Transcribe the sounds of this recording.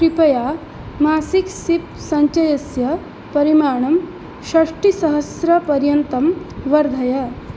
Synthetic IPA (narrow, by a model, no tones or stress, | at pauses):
pɾipɐja | maːsiksip̚ | sɐɲt͡ʃɐjɐsjɐ | pɐɾimaːɳɐm | ʃɐʂʈisɐɦɐsɾɐpɐɾjɐnt̪ɐm | ʋɐɾd̪ʱɐjɐ